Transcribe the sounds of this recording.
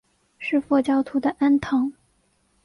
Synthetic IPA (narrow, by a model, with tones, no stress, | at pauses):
ʂɻ̩˥˧fɔ˥˩t͡ɕjɑ˥ʊt̪ʰu˧˥d̪ə˧ʔa˥nt̪ʰɤ˧˥ŋ